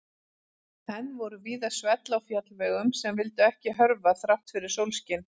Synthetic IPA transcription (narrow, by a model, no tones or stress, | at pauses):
hɛnːvɔɾʏviːðasvɛt̪lawfjat̪lvɛːɣʏmsɛmvɪlt̪ʏɛhcɪɦœɾvaθɾawht̪fɪɾɪɾ̥sowlscɪn